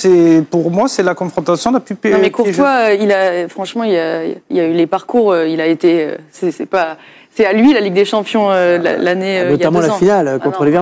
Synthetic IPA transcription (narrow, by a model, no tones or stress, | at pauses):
sɛpuʁmwasɛlakɔ̃fχɔ̃t̪asjɔ̃d̪lapypeñmɛkuʁt̪waøilafχɑ̃ʃmɑ̃ilailaylepaʁkuʁøilaet̪eø̰sɛsɛpa | sɛalɥilaliɡd̪eʃɑ̃pjɔ̃øla̰laneønɔjaamɑ̃lãfinalkɔ̃t̪χəlevɛ